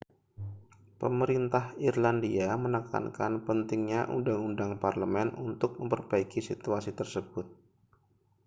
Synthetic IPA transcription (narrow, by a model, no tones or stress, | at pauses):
pəməɾint̪ahirlandiamənəka̰nkanpənt̪ɪŋɲaʔundaŋundaŋparləmɛnunt̪ʊk̚məmpərbaikisit̪uasit̪ərsəb̥ʊt̪̚